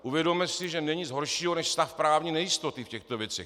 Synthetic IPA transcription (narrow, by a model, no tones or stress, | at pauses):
ʔuvjɛdo̞mɛsɪʒɛnɛɲizɦoɾʃiːɦonɛʃst̪afpɾaːvɲinɛjɪst̪o̞t̪ɪfcɛxt̪ovjɛt͡sɛ̰x